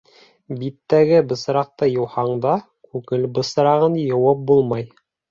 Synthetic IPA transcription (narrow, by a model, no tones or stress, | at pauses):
bit̪ːæɡɘbɤ̆s̆ɾɑq̚t̪ɤjɤ̆whɑɴd̪ɑ | kʉkɘlbɤ̆sɤ̆ɾɑʁɤnjŏwɑp̚bulˠmɑj